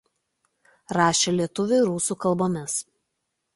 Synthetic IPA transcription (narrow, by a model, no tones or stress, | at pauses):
ɾɑːʃʲelʲiɛt̪ʊʋʲʊɪɾuːsuˑkɐlˠboːmʲɪs